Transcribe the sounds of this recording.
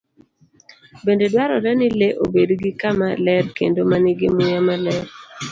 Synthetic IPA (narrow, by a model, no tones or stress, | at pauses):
bendedwaɾɔɾɛnɪleʔo̰bedɡɪkamalɛɾkḛndomanɪɡɪmʊjamalɛɾ